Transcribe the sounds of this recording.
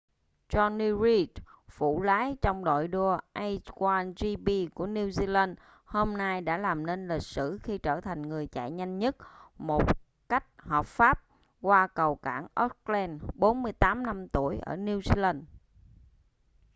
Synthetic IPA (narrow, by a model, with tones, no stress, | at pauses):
t͡ɕɔ˧ni˧ɹi˦tfṵ˧˩laː˨˦jt͡ɕɔ˧wŋ͡mɗo̰˧˨jɗu˧əʔa˧jkwaː˧nzi˧ɓi˧ku˧˩əni˧wzi˧la˧n | ho˧mna˧jɗa̰ː˧˥laː˨˩mne˧nlï˨˩k̟̚sɨ̰˧˩xi˧t͡ɕəː˧˩t̪ʰa˨˩jŋ̟ŋɨ˨˩əjt͡ɕa̰ː˧˨jɲa˧jŋ̟ɲə˦˥t̚mo˨˩t̚ | ka˦˥jk̟̚hɔː˨˩p̚faː˦˥p̚ | kwaː˧kə˨˩wka̰ː˧˩nʔɔ˦˥k̚lɛ˧nɓo˨˦nmɨ˧əjt̪aː˨˦mna˧mt̪u˧˩əjʔə̰ː˧˩ni˧wzi˧la˧n